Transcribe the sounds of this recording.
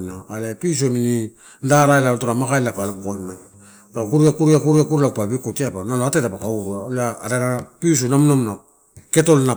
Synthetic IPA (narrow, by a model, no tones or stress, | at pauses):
naalepis̬omini | ndaɾaelaɾotoɾamakaelapalekojmaj | ɾakuɾiakuɾiakuɾiakuɾlaupaβikotiapanaloatetapakauɾuaolaːɾaɾapis̬unamnomna | keto̞lna